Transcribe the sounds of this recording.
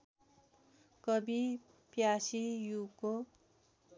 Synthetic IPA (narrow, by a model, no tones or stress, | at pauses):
kʌbi | pjasijuko